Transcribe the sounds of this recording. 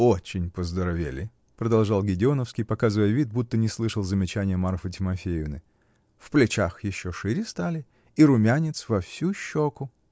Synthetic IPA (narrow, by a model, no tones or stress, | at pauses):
ot͡ɕɪnʲpəzd̪əɾɐvʲḛlʲɪ | pɾəd̪ɐlˠʐɑlˠɡʲɪdʲɪonəfskʲɪjpɐkazɨvəjəvʲit̪̚but̪ːənʲɪslˠɨʂəlˠzəmʲɪt͡ɕænʲɪjəmarfət̬ʲɪmɐfʲejɪvnɨ | fplʲɪt͡ɕaxjɪɕːoʂɨɾʲɪst̪alʲɪ | iɾʊmʲanʲɪt̪svɐfsʲuɕːokʊ